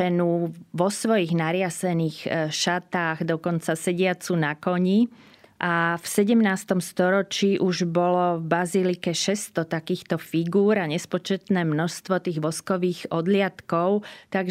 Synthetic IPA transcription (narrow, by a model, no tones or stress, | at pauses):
ɛnuʋɔsʋɔjiɣnaɾɪasɛniːxʃat̪aːɣd̪ɔkɔnt͡sasɛɟɪat͡sunakɔɲi | ʔafsɛɟɛmnaːst̪ɔmst̪ɔɾɔt͡ʃiːʔuʒbɔlɔvbazilikɛʃɛst̪ɔt̪akiːxt̪ɔfiɡuːɾaɲɛspɔt͡ʃɛt̪nɛːmnɔʃst̪ʋɔt̪iːɣʋɔskɔʋiːɣɔd̪lɪat̪kɔʊt̪aɡ